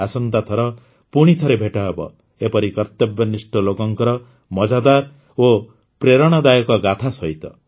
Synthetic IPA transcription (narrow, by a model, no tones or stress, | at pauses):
asɔnt̪at̪ʰɔɾɔ | puɽ̃it̪ʰɔɾebʱeʈaebɔ̰ | epɔɾikɔɾt̪ebjɔnisʈɔlokɔŋkɔɾɔ | mɔd͡ʒad̪aɾ | o | pɾeɾɔɽ̃ɔd̪ajɔkɔɡat̪ʰasɔit̪ɔ